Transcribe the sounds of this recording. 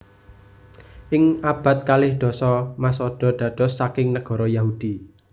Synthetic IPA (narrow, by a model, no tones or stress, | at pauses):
ʔɪŋab̥a̤t̪̚kalɪhɖ̪̥ɔ̤sɔmasɔɖ̥ɔ̤ɖ̥ä̤d̥ɔ̤sːakɪŋnəɡ̥ɔ̤ɾɔjaɦud̥i